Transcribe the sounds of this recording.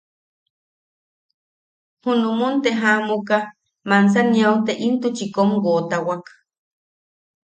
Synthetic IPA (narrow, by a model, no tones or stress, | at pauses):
hunumunt̪eɦamuka | mans̬aniowt̪eʔint̪ut͡ʃikomɡoːt̪awak